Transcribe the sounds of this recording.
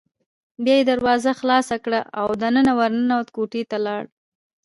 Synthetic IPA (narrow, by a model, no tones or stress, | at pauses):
bjɑjed̪aɾwɑzaxlɑsakɽaʔawd̪anənawaɾnənawt̪koʈet̪alɑɽ